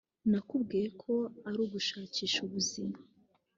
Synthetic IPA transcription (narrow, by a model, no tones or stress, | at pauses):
nakubɡiːɾekʰo̞aɾuːɡuʃaːciːʃuβuzima